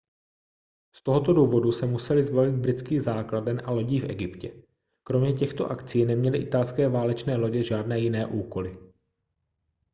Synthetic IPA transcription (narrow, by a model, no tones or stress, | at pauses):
st̪o̞ɦo̞t̪o̞duːvo̞dusɛmusɛlɪzbavɪd̪̚bɾɪt͡skiːɣzaːkladɛnʔalo̞ɟiːfʔɛɡɪpcɛ | kɾo̞mɲɛc̬ɛxt̪o̞̰ʔakt͡siːnɛmɲɛlɪʔɪt̪alskɛːvaːlɛt͡ʃnɛːlo̞ɟɛʒaːdnɛːjɪnɛːʔuːko̞lɪ